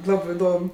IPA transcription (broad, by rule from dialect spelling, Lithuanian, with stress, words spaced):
ˈlˠɑːbɜ ɪˈdoːm